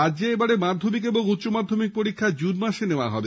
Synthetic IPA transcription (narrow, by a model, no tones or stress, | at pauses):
ad͡ʑd͡ʑeebaɽemad̪ʱːomikeboŋut̪ːɕomad̪ʱːomik̚poɾikʰːad͡ʑunmaʃeneoaɦɔbe